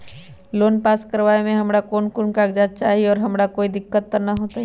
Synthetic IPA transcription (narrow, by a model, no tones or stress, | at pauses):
loːnpaːskəɾʋaːemẽɦɐmɽakoːnkʊɳkaːɡd͡ʒaːt̪̚t͡ʃaːɦiɔːɾɦɐmɽakoːid̪ɪkːət̪̚pənɐɦoːt̪aɦɛ